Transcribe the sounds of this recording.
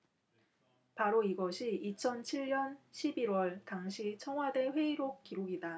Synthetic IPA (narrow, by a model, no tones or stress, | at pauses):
paɾoiɡʌɕʰiit͡ɕʰʌnt͡ɕʰiɭɲʌnɕʰibiɾwʌɭtaŋɕʰit͡ɕʰʌŋɦwade̞ɸwe̞iɾok͈iɾoɡida